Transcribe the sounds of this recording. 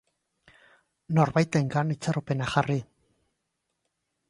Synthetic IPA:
no̞ɾβajt̪eŋɡanit͡saɾope̞naxari

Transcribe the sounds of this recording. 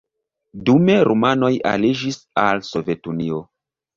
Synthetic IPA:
dume̞ɾomano̞ja̰lid͡ʒisalso̞vetunio̞

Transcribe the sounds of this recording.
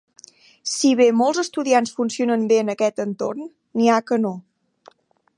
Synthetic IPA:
siβ̞emolˠzəst̪uðiansfunsionəmbeənəkɛt̪ənt̪o̰rnː | iakəno

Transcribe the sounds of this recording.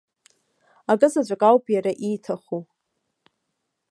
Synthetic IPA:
aɡʼɨzad͡ʒʷakʼawpʼjaɾaʔijtʰaχu

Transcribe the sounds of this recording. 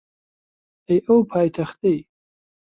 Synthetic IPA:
ejʔowpʰaːjtʰaχt̪ʼej

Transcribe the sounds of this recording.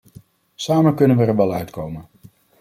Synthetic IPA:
saːmənkɵnənʋəɹənʋɛlˠœɥtkowmən

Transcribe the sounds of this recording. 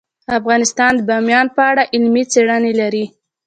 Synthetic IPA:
afɣɑnɪst̪ɑnd̪əbɑmjɑnpəaɽaʔɪlmit͡seɽənelaɾi

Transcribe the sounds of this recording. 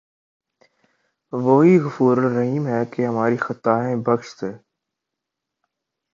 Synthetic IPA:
ʋoːɦiːɣʊfuːɾəlːəɦiːmɦɛːkeɦəmaːɾiːxət̪aːɦẽːbəkʃt̪eː

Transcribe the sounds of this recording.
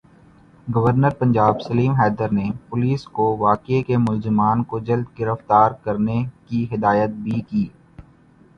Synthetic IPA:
ɡɐʋəɾnəɾpɐ̃ɲd͡ʒaːbsɐliːmɦɛːd̪əɾnepʊliːskoʋaːkekemʊlzɪmaːnkod͡ʒɐld̪ɡɪɾəft̪aːɾkɐɾnekiɦɪd̪aːjət̪̚bʱikiː

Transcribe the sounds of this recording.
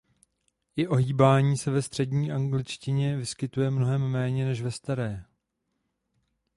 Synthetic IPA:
ʔɪʔo̞ɦiːbaːɲiːsɛvɛst̪r̥ɛdɲiːʔaŋɡlɪt͡ʃcɪɲɛvɪskɪt̪ujɛmno̞ɦɛmːɛːɲɛnɛʃvɛst̪aɾɛː

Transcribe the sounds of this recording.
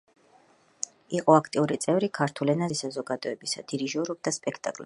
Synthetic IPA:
iqʼɔakʰt̪ʼiuɾit̪sʼɛvɾikʰaɾt̪ʰulɛnaisazɔɡad̪̥ɔɛbisa̰d̪̥iɾiʒɔɾɔb̚d̪aspʼɛkʰt̪ʼa̰kʼlɛ

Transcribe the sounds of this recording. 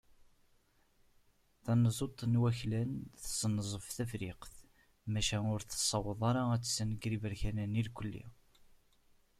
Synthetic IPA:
θænəzˤot̪ˤːnwæçlænθəsnəzˤəfθæfɾiqθ | mæʃæʊɾθsˤːɑwəðˤɑɾˤɑæt͡sːsːænəɡɾivəɾçænænilkʷəlːḭ

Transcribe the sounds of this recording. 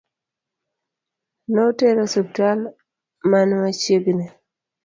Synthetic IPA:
noteɾɔsup̚tal | manmat͡ʃeɡne

